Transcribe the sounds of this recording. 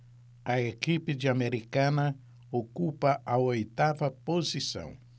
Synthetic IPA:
ɐekipɪd͡ʒɪameɾikɐ̃nɐ | okupɐʔɐojt̪avɐpozisɐ̰̃w̃

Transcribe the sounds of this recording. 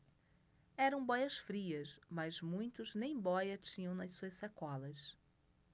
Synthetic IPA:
ɛɾɐ̃w̃bɔjɐsfɾiɐsmɐzmũj̃t̪ʊznẽj̃bɔjɐt͡ʃĩɲɐ̃w̃nɐsuɐssɐkɔlɐs

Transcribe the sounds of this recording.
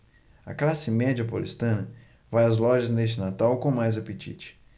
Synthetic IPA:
ɐ̰klasɪmɛd͡ʒɐpolḭst̪ɐ̃nɐ | vajɐzlɔʒɐznest͡ʃɪnat̪awkõmajzapet͡ʃḭt͡ʃɪ̥

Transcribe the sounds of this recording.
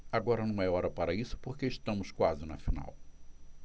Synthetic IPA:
aɡɔɾɐnɐ̃w̃ɛɔɾɐpaɾɐisʊ̥poɾkeɪʃt̪ɐ̃mʊskwazɪnɐfina̰w

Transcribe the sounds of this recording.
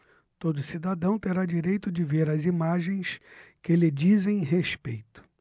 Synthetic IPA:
t̪od̪ʊsid̪ad̪ɐ̃w̃t̪eɾad͡ʒiɾejt̪ʊd͡ʒɪveɾɐzimaʒẽj̃skelɪd͡ʒizẽj̃ɦespejt̪ʊ̥

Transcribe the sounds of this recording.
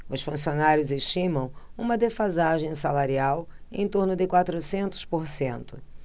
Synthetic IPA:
ʊsfũsionaɾjʊzeʃt͡ʃĩmɐ̃w̃ũmɐd̪efazaʒẽj̃salaɾiawḛ̃j̃t̪oɾnʊd̪ɪkwat̪ɾʊsẽnt̪ʊ̥spoɾsẽnt̪ʊ

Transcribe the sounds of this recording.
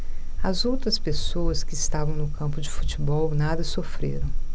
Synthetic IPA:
ɐzowt̪ɾɐspesoɐskɪːst̪avɐ̃w̃nʊkɐ̃mpʊd͡ʒɪfut͡ʃibɔwnad̪ɐsofɾḛɾɐ̃w̃

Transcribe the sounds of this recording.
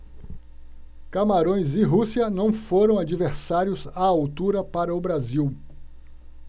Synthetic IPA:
kamaɾõj̃zɪɦusiɐnɐ̃w̃foɾɐ̃w̃ad͡ʒiveɾsaɾjʊzaːwt̪uɾɐpaɾɐʊbɾaziw

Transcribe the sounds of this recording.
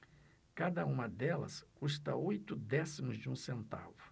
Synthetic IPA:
kad̪ɐũmɐd̪ɛlɐ̰skust̪ɐojt̪ʊd̪ɛsimʊzd͡ʒɪũsẽnt̪a̰vʊ

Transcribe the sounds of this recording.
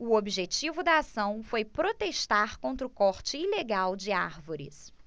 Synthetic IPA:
ʊobiʒet͡ʃivʊd̪ɐasɐ̃w̃fojpɾot̪eʃt̪aɾkõnt̪ɾʊkɔɾt͡ʃɪileɡawd͡ʒɪaɾvoɾɪ̰s

